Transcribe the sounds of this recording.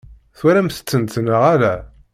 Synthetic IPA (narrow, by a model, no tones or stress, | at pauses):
θwæɾæmθə̥t͡sːənt̪nəʁælæ